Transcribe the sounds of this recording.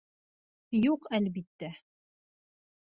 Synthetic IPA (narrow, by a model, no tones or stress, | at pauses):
juqælβit̪ːæ